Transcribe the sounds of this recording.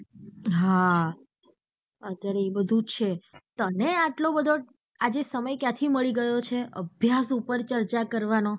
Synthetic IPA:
ɦa | ət̪jaɾeebəd̪ʱut͡ʃʰet̪əneaʈlobəd̪ʱo | ad͡ʒesəməjkjãt̪ʰiməɭiɡəjot͡ʃʰeʔə̰bʱjasupəɾt͡ʃəɾt͡ʃakəɾʋano

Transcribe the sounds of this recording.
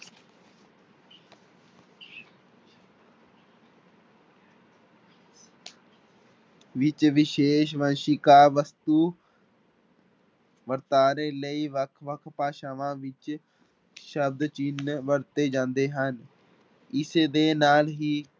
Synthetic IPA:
ʋɪt͡ʃʋɪʃeːʃʋənʃiːkaːɾʋəst̪uː | ʋəɾt̪aːɾeːləiːʋəkʰʋəkʰpaːʃaːʋãːʋɪt͡ʃ | ʃəb̚d̪t͡ʃiːnʋəɾt̪eːd͡ʒãːnd̪eːɦən | ɪseːd̪eːnaːlɦiː

